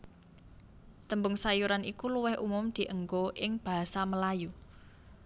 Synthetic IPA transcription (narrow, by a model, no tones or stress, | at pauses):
t̪əmbʊŋsajuɾanikuluwɪhumʊmd̪̥i̤ʔəŋɡoʔɪŋb̥a̤ɦasaməlaju